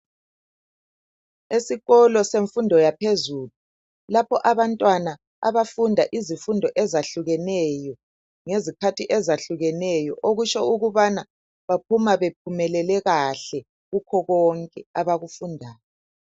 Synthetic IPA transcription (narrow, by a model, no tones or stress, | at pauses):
esiɣɔlɔseɱfundʱɔjapʰezuːlu | lapʰɔʔaβantʼwana | a̰βafundʱaʔizifundʱɔʔɛzaɬuɣɛnɛjɔ | ŋezikʰatʰiʔɛzaɬuɣɛnɛjɔʔoɣut͡ʃɔuɣuβana | βap̚ʰumaβep̚ʰumɛlɛlɛɣaɬɛ | ɣukʰɔɣɔŋkʼɛaβaɣufundʱaːjɔ